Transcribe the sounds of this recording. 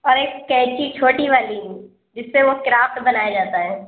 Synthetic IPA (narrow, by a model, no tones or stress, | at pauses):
ɔːɾeːkːɛ̃ɦt͡ʃit͡ʃʰoːʈiʋaːli | d͡ʒɪsːeʋokɪɾaːfʈbɐnaːed͡ʒaːt̪aɦɛ̃ː